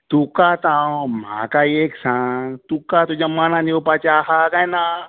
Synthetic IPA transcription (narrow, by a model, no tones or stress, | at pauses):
t̪ukat̪ãm̤ã̰ːkaeːksãːt̪ukat̪od͡ʒɐmːanãniopat͡ʃaɦakajnã